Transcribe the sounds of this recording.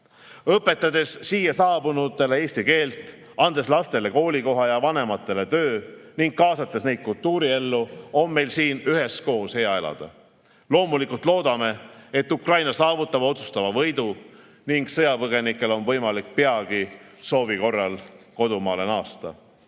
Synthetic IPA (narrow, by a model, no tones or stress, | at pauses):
ɤpːˑe̞t̪ːˑɑd̪̥e̞sːiːjɑsɑːbunut̪ːˑe̞le̞e̞ːsʲt̪ike̞ːlt̪ˑ | ɑnd̪e̞slɑst̪e̞le̞ko̞ːlʲiko̞ɦɑjɑvɑne̞mɑt̪ːˑe̞le̞t̪øːniŋɡ̥̚kɑːsɑt̪ːˑesne̞jd̪̥̚kult̪ːuːɾie̞lːuo̞mːe̞jlsiːnyɦe̞sko̞ːshe̞ɑe̞lɑ̰d̪̥ɑ̰ | lo̞ːmulikult̪lo̞ːd̪̥ɑme̞et̪ːukrɑjnɑsɑːvut̪ːˑɑb̥o̞t̪su̥st̪ɑvɑvɤ̞jd̪̥u | niŋɡ̥sɤjɑpɤɡ̥e̞nikːˑe̞lo̞nvɤjmɑlik̚peɑɡ̥iso̞ːviko̞rːɑlko̞d̪umɑ̰ːle̞nɑːst̪ɑ̰